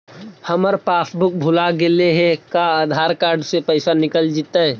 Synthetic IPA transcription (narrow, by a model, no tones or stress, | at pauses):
həməɾpaːsbʊk̚bʱʊlaɡeleɦɛ̃kaaːd̪ʱaːɾkaːɾɖsepəɪsanɪkəld͡ʒit̪aɦɛ